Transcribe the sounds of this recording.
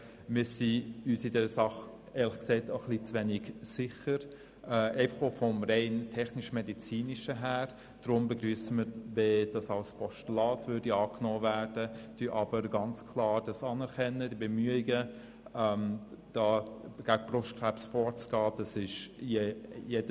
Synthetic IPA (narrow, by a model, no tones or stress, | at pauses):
mɪːɾsiyːsidɛɾəsɑχ | eːɾlɪχksɛɪtəχlit͡sʋɛnɪɡsɪχəɾ | ɛʔɛɪfəχofɔmɾɛɪntʰɛχnɪʃmedit͡siːniʃəɦæːɾ | d̥ɾʊmbəɡryːəsəməɾved̥ɑsɑlspʰɔʃtulɑːtvʏɾdiɑːknɔːvæːɾd̥ətyʔɑb̥əɾɡɑnt͡skʰlɑːɾd̥ɑsɑnɛɾkʰɛnːədibəmyəiɡə | ɛmd̥ɑːɡ̥æɡəb̥rʊʃtkʰɾæpsfɔːɾt͡sɡ̥ɑːd̥ɑsɪʃjejed̥ə